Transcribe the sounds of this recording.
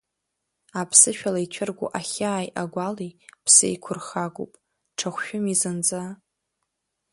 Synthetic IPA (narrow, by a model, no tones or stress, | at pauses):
apʰsɨʃᶣalait͡ʃʷʰɪrɡʷṵʔaχʲaːjʔaɡʷalipʰsḛjkʷʰʊrχaɡʷṵpʼ | ʈ͡ʂʰaχʷʃᶣʊmizɨnd͡za